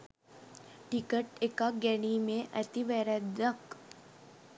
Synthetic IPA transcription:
ʈikəʈekaɡɛɳimẽʔət̪iʋɛɾɛd̪ək

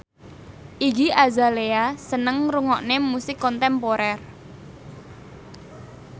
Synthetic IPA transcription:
ʔiɡiʔazaleasənəŋɾuŋɔʔnemusɪkːɔnt̪ɛmpoɾɛr

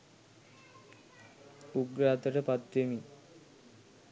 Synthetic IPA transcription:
uɡɾaːt̪əʈəpat̪ʋemi

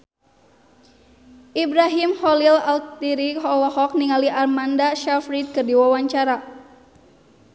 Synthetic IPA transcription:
ʔibɾaɦimhɔlilalk̚t̪iɾiɦɔwɔhɔk̚niŋaliʔarmandaʃafɾid̪̚kɨrdiwawaɲt͡ʃaɾa

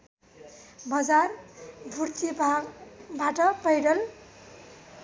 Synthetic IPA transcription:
bʌd͡zarbʱuɽt̪ʰibʱabaʈʌpʌjɽʌl

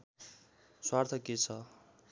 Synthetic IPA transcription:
swart̪ʰʌket͡sʰʌ

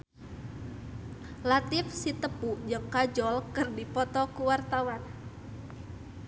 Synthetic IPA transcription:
lat̪ɪfsit̪əpud͡ʒəŋkad͡ʒɔlkərdipɔt̪ɔkuwart̪awan

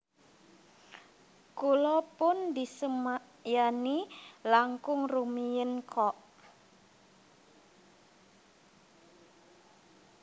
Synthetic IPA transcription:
kulɔpʊndisəmaʔjanilaŋkʊŋrumijənkʰɔʔ

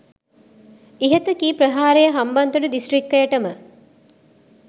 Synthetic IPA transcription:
iɦət̪əkiːpɾəɦaːɾejəɦamband̪uɖəd̪isʈrikːəjəʈəmə

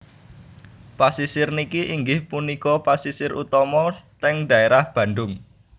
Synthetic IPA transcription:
pasisɪrnikiʔiŋɡɪhpunikɔpasisɪɾṵt̪ɔmɔt̪ɛŋda̤eɾahb̥ä̤ndʊŋ

